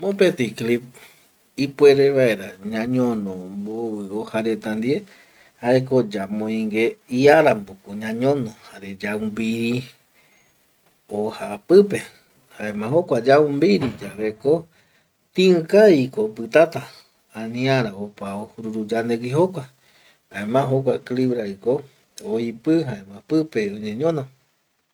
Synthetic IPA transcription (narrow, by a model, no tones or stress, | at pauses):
mõpet̪iklip̚ | ipʷweɾeβae̞ɾaɲãɲõnõmboβɨohaɾe̞t̪and̪ie | haek̬od͡ʒamõĩŋɡeiaɾambokoɲãɲõnõhaɾed͡ʒaumbiɾi | ohapɨpe̞ | haemãɦokʷad͡ʒaumbiɾid͡ʒaβeko | t̪ĩɨ̃kaikopɨt̪at̪a | anĩaɾaopaohuɾuɾud͡ʒaneɡiɦokʷa | haemãɦok̬ʷakliβɾaiko | oipɨɦaemãpɨpeõɲẽɲõnõ